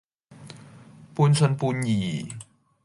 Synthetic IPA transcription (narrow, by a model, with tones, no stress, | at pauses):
puː˧nt͡sʰɵ˧npuː˧njiː˨˩